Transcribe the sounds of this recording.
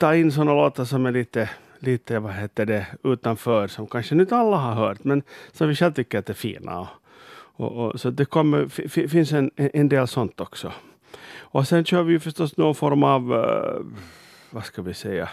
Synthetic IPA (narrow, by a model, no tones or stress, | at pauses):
t̪ʰɑːɪnːs̬ɔnːaloːt̪əʂɔmæɭiːt̪ə | liːt̪əvaɦeːt̪ːəɖɛʉ̟ːt̪anfœːɾsɔmkʰanʂənʉt̪alːaɦaɾɦœːʈ̪mɛnsɔmvɪʂɛlt̪ʏkːəɾat̪̚d̪ɛɾfḭːnʔa̰ɔ | ɔ̰ʔɔsɔd̪ɛkʰɔmːəfɪfɪfɪnsɛnɛʔɛnd̪eːlsɔnt̪ɔksɔ | ɔsɛnɕøːɾvɪjɵfœʂʈɔst̪noːɡʊnfɔɾmaːv | vaskavɪsɛjːa̰